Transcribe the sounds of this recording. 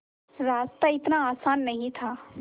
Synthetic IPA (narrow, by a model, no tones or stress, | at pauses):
ɾaːst̪aɪt̪naaːsaːnːɐɦĩt̪ʰaː